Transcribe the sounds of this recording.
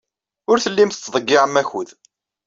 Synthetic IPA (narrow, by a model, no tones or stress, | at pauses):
ʊɾθəlːimθət͡sːðˤəɡːiʕəmːæçuð